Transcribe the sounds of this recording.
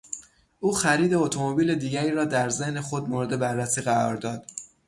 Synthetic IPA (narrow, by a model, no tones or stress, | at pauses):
ʔuːxæɾiːd̪e̞ot̪ʰomobiːle̞d̪iːɟæɾiːɾɒːd̪æɾze̞hne̞xod̪moɾed̪e̞bærːæsiːɣæɾɒ̰ːɾd̪ɒːd̪̥